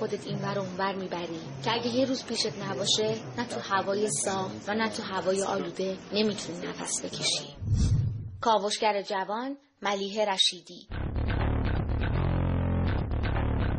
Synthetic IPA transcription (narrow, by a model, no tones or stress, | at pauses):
od̪et̪ʰinvæɾounvæɾmiːbæɾiː | cʰeæɟejeruːzpʰiːʃed̪næbɒːʃenæt̪ʰuhævɒːjesɒːhvænæt̪ʰuɦævɒːjeʔɒ̰ːluːd̪e̞ne̞miːt̪ʰuniːnæfæ̰sbe̞cʰe̞ʃḭ | kʰɒːvoʃcæɾed͡ʒævɒːn | mæliːɦe̞ɾæʃiːd̪iː